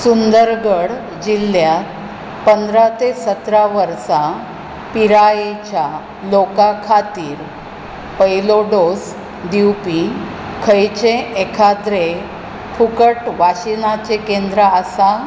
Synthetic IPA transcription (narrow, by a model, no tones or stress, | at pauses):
sund̪əɾɡəɽ | d͡ʑilːja | pənd̪ɾat̪esət̪ɾaʋəɾsa | piɾajet͡ɕja | lokakʰat̪iːɾ | pəjloɖos | d̪iwpi | kʰəjt͡ɕẽːkʰad̪ɾe | pʰukəʈʋaɕinat͡ɕekẽnd̪ɾəəsa